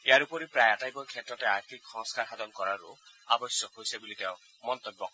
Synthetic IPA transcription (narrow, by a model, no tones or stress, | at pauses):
eaɾupɔɾipɾajatajbɔkʰjet̪ɾɔteaɾt̪ʰikʰxɔŋskaɾɦad̪ɔnkɔɾaɾṵabɔsjɔkɦojsabulit̪eʊ̃ | mɔnt̪ɔbːɔk